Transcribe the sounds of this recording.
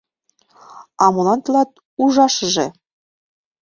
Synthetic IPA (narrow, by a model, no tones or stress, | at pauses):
ɑmɤ̆lˠɑnt̪ɤ̆lˠɑt̪̚ | uʒɑʃɤ̆ʒĕ